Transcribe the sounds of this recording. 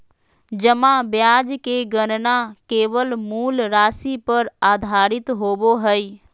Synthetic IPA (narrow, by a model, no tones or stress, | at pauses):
d͡ʒəmãbjaːd͡ʒkeɡənnakeːʋəlmuːlɾaːsipəɾaːd̪ʱaːɾɪt̪ɦoːboɦəi